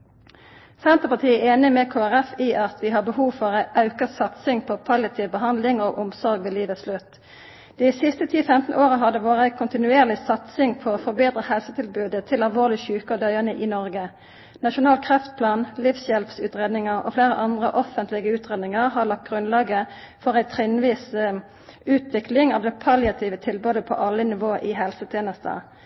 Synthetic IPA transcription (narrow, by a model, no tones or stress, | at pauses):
sɛnt̪əʁpɑt̪ʰiːɛeːnɪmɛːkʰoːæʁɛfiːʔɑt̪ʋiːɦɑbəhuːʋfɔʁʔɑʉkəsɑt̪sɪŋpʰɔkʰʋɑlɪt̪ʰɪʋbəɦɑnd̪lɪŋoːʔʊmsɔʁɡʋeːliːʋəslʉt̪ | d̪̥ɪsɪst̪ət̪ʰiːfɛmt̪n̩ʔoːʁəɦɑd̪əʋoːʁəæɪkʰʊnt̪ɪnʉeːʁlɪsɑt̪sɪŋpʰooːfɔbeːd̪ʁəhɛlsət̪ʰɪlbʉːd̪ət̪ʰɪlɑlʋoːʁlɪçʉːkəɔd̪œʏənəʔiːnɔʁɡə | nɑʃʊnɑːlkʰʁɛft̪̚pʰlɑːnlifsjɛlpsʉːt̪ʁeːd̪nɪŋəʁo̰fleːʁəʔɑnd̪ʁəʔɔfənt̪lɪɡəʉːt̪ʁeːd̪nɪŋəʁɦɑːlɑk̚t̪̚ɡ̥ʁʉnlɑːɡə | fɔʁæɪt̪ʰʁɪnʋiːs | ʉːt̪ʰʋɪklɪŋɑːʋd̪ɛːpʰɑljɑt̪ʰiːʋət̪ʰɪlbʉːd̪əpʰɔ̰ʔɑlːənɪʋoːəʔɪɦɛlsət̪ʰjeːnəst̪ə̰